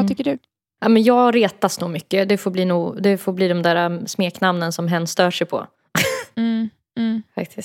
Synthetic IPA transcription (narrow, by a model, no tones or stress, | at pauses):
at̪ʰʏkːəɖɵ | aːmɛnjɑːɾeːt̪asnuːɡmʏkːəd̪ɛfoɾbliːnuːɡd̪ɛfoɾbliːd̪ɔmd̪æːɾasmeːknamnənsɔmɦɛnːst̪œːʂɛjpʰɔ̰ | fa̰k̚t̪ʰɪst̪